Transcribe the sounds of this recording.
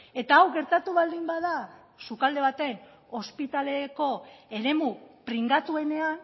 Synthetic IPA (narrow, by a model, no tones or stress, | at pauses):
e̞t̪aːwɡe̞ɾt̪at̪uβald̪imbaða | sukald̪e̞β̞at̪e̞n | o̞spit̪ale̞ko̞e̞ɾe̞mupɾiŋɡat̪ue̞ne̞an